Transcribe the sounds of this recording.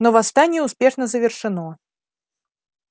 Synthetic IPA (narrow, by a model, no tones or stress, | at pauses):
nɔvast̪anʲɛuspʲɛʂnəzəvʲɪrʂɨnɔ